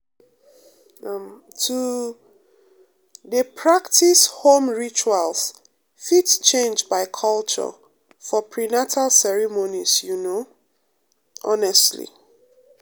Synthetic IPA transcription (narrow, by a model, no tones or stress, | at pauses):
m | tʰu | dəpʰɹaktʰishõmɹit͡ʃuals | fitt͡ʃẽnd͡ʒbaɪkʰʌlt͡ʃɔ̰ | fɔpʰɹinatʰalsɛɹimonisjuno | ʔɔnɛstlḭ